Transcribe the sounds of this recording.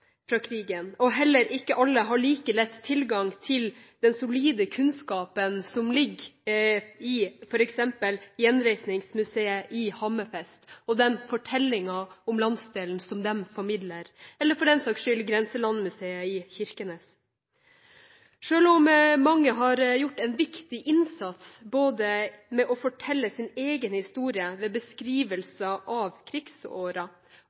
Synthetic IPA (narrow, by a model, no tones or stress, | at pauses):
fɾɑːkʰɾiːɡənɔɦɛlːəɾʔɪkːəʔɑlːəɦɑɭiːkəlɛt̪ːt̪ʰːɪlɡɑŋt̪ʰɪl | d̪̥ɛnsʊliːd̪əkʰʉnskɑːpənsɔmlɪɡ | ɪfɔɾɛksɛmpəljɛnɾɛɪsnɪŋsmʉseːəʔɪhɑmːəfɛst̪ɔd̪ɛnfɔʈʰɛlːɪŋɑɔmlɑnsd̪eːln̩sɔmd̪ɛmfɔɾmɪd̪ləɾɛlːəɾfɔɖɛnsɑkʂʏlɡɾɛnsəlɑnmʉseːəɪçɪɾkənəs | ʂøːlɔmmɑŋːəɦɑɾjʊʈːɛnʋɪkt̪ɪʔɪnsɑt̪sboːd̪əmɛʔɔfɔʈʰɛlːəsɪneːɡənhɪst̪uːɾɪəʋeːbəskɾiːʋəlsəʔɑʋkʰɾɪɡso̰ːɾɑ